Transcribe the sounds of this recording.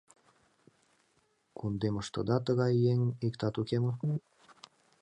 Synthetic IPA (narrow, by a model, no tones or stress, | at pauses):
kund̪emə̆ʃt̪ɤ̰̆d̪ɑt̪əɣɑjːeŋikt̪ɑt̪ukemə̆